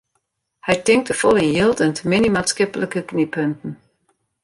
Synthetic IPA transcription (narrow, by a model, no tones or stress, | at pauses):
hɛjtɪŋk̚təfɔlˠɪnjɪlˠdəntmɪnimatskɪpləkəknipʰøntən̩